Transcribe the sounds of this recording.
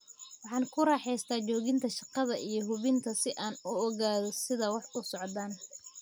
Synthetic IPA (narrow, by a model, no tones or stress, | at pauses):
wɑħɑːnkʰʊɾɑːħɛjst̪ʰaːt͡ʃɔːɣɪnt̪ʰɐʃɑqɑðɐʔijɞɦʊβɪnt̪ʰɐsɪʔaːnʊɔɣaːðɔsɪðɐwɑħʊsɔʕd̪aːn